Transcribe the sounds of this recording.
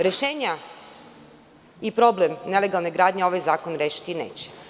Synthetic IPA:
ɾe̞ʃe̞ːɲa | ipɾo̞ble̞mne̞le̞ɡalˠne̞ɡɾaːd̪ɲeo̞ʋajzaːkonɾeːʃi̥t̪inḛːt͡ɕe̥

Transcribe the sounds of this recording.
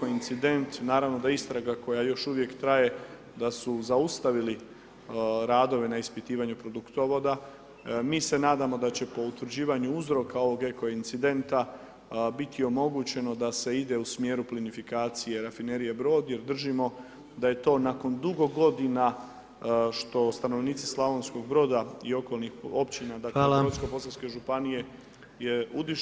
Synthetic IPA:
oint̪sid̪e̞nt̪naːɾaʋno̞d̪aist̪ɾaɡako̞jajo̞ʃuʋje̞kt̪ɾaje̞ | d̪asuzaust̪aʋili | ɾaːd̪o̞ʋe̞naispit̪iːʋaɲupɾo̞d̪ukt̪oʋo̞d̪a | miːse̞naːd̪amo̞d̪at͡ɕe̞po̞ut̪ʋɾd͡ʑiːʋaɲuuzɾo̞kao̞ʋo̞ɡe̞ko̞int̪sid̪e̞nt̪a | bit̪ʰio̞mo̞ɡut͡ɕe̞no̞d̪ase̞id̪e̞usmje̞ːɾuplinifikaːt̪sije̞ɾafine̞ɾije̞bɾo̞ːd̪je̞ɾd̪r̩ʒimo̞ | d̪aje̞t̪o̞ːnako̞nd̪uɡo̞ɡo̞d̪ina | ʃt̪o̞st̪ano̞ʋniːt̪sislˠaʋo̞nsko̞ɡbɾo̞ːd̪aio̞ko̞lˠnixo̞pt͡ɕinad̪akeoskopo̞salske̞ʒupanije̞ | jeud̪i

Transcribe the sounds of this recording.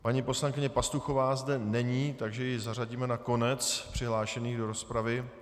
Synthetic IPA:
paɲipo̞slaŋkɪɲɛpast̪uxo̞vaːzdɛnɛɲiːt̪aɡʒɛjɪzar̝aɟiːmɛnako̞nɛt͡spr̝̥ɪɦlaːʃɛniːɣdo̞ɾo̞spɾavɪ

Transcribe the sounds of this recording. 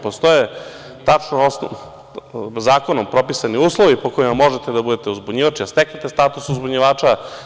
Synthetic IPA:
post̪o̞je | t̪at͡ʃnoos | zaːko̞nompɾo̞pisaniuːslˠoʋipo̞koimamːo̞ʒet̪ed̪abud̪et̪euzbuɲiʋat͡ʃiast̪eknet̪est̪aːt̪usuzbuɲiʋaːt͡ʃa

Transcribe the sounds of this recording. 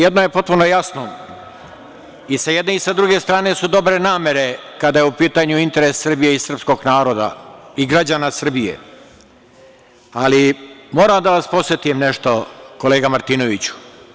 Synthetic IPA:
jed̪nojepo̞t̪̚puno̞jasno | isajed̪neisad̪ɾuɡe̞st̪ɾaːne̞sud̪o̞bɾe̞naːme̞ɾe̞kad̪ajeupiːt̪aɲuint̪e̞ɾesːr̩bijeisr̩psko̞ɡnaːɾo̞ːd̪a̰iɡɾad͡ʑaːnasr̩bijḛ | alimo̞ːɾamd̪aʋaspo̞tset̪imne̞ʃt̪o̞ko̞leːɡamaɾt̪iːno̞ʋit͡ɕu̥

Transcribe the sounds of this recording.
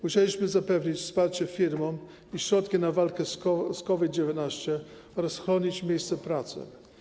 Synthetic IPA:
muɕɛlʲiɕmɘzapɛvɲit͡ɕfspaɾt͡ɕɛfʲiɾmɔm | iɕɾɔt̪kʲinavalkɛsɔskɔvʲid̪̚d͡ʑɛvʲjɛt̪naɕt͡ɕɛ | ɔɾasxɾɔɲit͡ɕmʲjejst̪sɛpɾat̪sɘ̰

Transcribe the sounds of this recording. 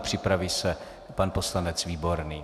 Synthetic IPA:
pr̝̥ɪpɾavisɛ | panpo̞slanɛt͡sviːbo̞ɾniː

